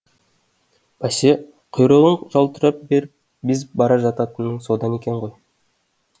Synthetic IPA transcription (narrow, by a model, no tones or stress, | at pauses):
b̥ɑse | qʰojɾolˠəɴʒɑlˠt̪əɾɑp̚be̞ɾɪp̚ | bizbɑɾɑʒɑt̪ɑt̪ɯnɯŋso̞d̪ɑne̞kʲe̞ɴʁoj